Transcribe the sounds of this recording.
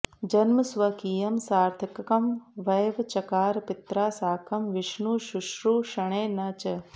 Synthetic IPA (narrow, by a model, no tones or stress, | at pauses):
d͡ʒɐnmɐsʋɐkiːjɐmsaːɾt̪ʰikkɐmʋɐjʋɐt͡ʃɐkaːɾpɪt̪ɾaːsaːkʰɐmʋɪʃnuːʃʊʃɾuʃɐɽ̃eːnɐt͡ʃɐ